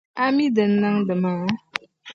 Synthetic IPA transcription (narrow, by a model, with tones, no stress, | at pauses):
a˦mi˦də˨n̩ː˦a˦ŋdə˨ma˨˦